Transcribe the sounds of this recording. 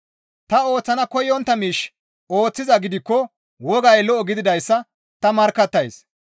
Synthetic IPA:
t̪ɐo̞ːt͡sːɐnɐkɔjːɔnt̪ːɐmiːʃ | o̞ːt͡sːɪzɐɡɪd̪ɪkːɔ | wɔɡɐjlɔʔɔɡɪd̪ɪd̪ɐjsːɐ | t̪ɐmɐɾkːɐt̪ːɐjs

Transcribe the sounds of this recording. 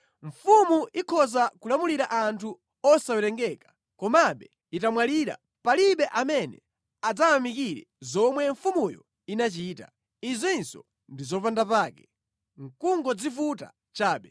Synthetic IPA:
ɱ̩fumuʔikʰɔzakulamuliɾaʔantʰu | ɔsawɛɾɛŋɡɛkḁ | kɔmaɓɛ | itamwaliɾa̰ | paliɓɛʔamɛnɛ | ad͡zawamikiɾɛ̰ | zɔmwɛɱfumujɔ̰ | inat͡ʃiːta | izwinsɔ̰ | ndizɔpandapaːkɛ | ŋ̩kuŋɡɔd͡zifuta̰ | t͡ʃaːɓɛ

